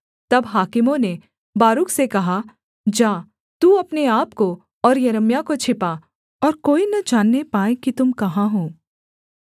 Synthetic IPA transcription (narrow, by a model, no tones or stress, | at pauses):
t̪ɐbɦaːkɪmõne | baːɾʊksekɐɦa | d͡ʒaː | t̪uːɐpneaːpko | ɔːɾjɐɾəmjakot͡ʃʰɪpa | ɔːɾkoːinɐd͡ʒaːnːepaːẽkit̪ʊmkɐɦãɦõː